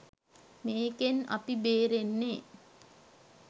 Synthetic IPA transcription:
meːkenɐ̰pibeːɾenːe

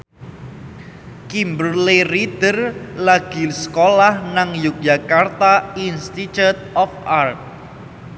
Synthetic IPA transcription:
kimbərlerid̪̥ərlaɡ̥i̤sə̥kolahnaŋjuk̚d͡ʒʒakart̪ainst̪it͡ʃut̪̚ɔfart̪̚

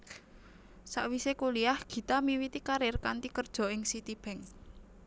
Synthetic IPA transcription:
sa̰ʔwisekuliahɡ̥i̤t̪amiwit̪ikaɾɪrkant̪ikərd̥ʒ̥ɔ̤ɪŋsit̪ib̥ɛŋ

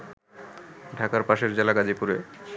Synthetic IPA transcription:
ɖʱakaɾpaʃeɾd͡ʑelaɡad͡ʑipuɾe

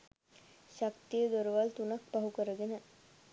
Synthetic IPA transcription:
ɕakt̪ijəd̪oɾəʋalt̪unak̚baɦukəɾəɡenə

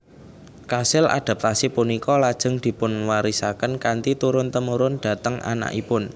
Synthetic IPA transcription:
kasɪlʔa̰d̪̥a̤p̚t̪asipunikɔlad̥ʒ̥ə̤ŋd̪̥i̤pʊnwaɾisakənkant̪it̪uɾʊnt̪əmuɾʊnd̪̥ä̤t̪əŋʔa̰na̰ʔipʊn

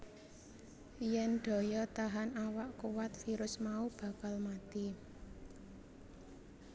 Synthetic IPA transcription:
jɛnɖ̥ɔ̤jɔt̪aɦanawaʔkuwat̪̚fiɾʊsmaub̥a̤kalmat̪i

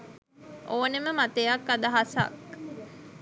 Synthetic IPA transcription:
ʔoːneməmat̪ejɐkːad̪ɐɦasɐ̰k

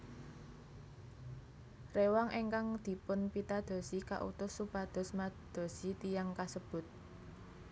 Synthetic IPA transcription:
rewaŋʔeŋkaŋd̪̥i̤pʊnpit̪ad̪̥ɔ̤sika̰ʔṵt̪ʊsːupad̪̥ɔ̤smad̪̥o̤sit̪ijaŋkasəb̥ʊ̤t̪̚

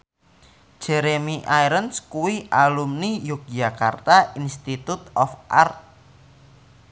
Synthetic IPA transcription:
ʒ̥ɛɾemiʔajɾənskuwiʔalumnijʊk̚d͡ʒaka̰rt̪ainst̪it̪ut̪̚ɔfʔa̰rt̪̚

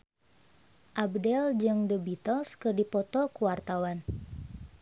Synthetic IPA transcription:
ʔabdɛld͡ʒɨŋdəbit̪əlskɨrdipɔt̪ɔkuwart̪awan

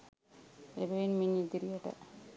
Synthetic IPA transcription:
ebeinminid̪iɾijaʈa̰

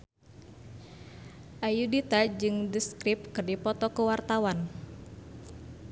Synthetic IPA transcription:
ʔajudit̪ad͡ʒɨŋdəskɾip̚kɨrdipɔt̪ɔkəwart̪awan

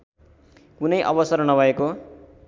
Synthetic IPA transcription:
kunʌjʔʌ̰bʌsʌrnʌbʱʌeko

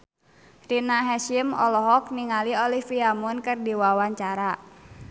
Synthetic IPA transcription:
rinaɦɛʃimɔ̰lɔɦɔk̚niŋaliɔlifiamɔnkɨrdiwawaɲt͡ʃaɾa

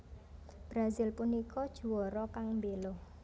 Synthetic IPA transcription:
b̥ɾazɪlpunikɔd̥ʒ̥ṳwɔɾɔkaŋmbeloh

